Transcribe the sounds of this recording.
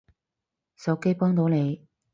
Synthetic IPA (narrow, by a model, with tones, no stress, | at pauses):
sɐ˨˥wke˥jpɔː˥ŋt̪o˨˧˥ne˨˧j